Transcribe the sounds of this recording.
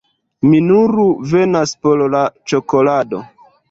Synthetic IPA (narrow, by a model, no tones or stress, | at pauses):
minuɾuve̞naspo̞llat͡ʃo̞ko̞lado̞̰